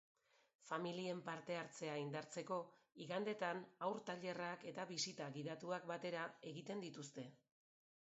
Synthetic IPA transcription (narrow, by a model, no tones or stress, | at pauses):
familie̞mpaɾt̪e̞aɾt͡se̞aind̪aɾt͡se̞ko̞iɣand̪e̞t̪anawɾt̪aʎe̞rake̞t̪aβisit̪aɣiðat̪uak̚bat̪e̞ɾae̞ɣit̪e̞nd̪it̪ust̪e̞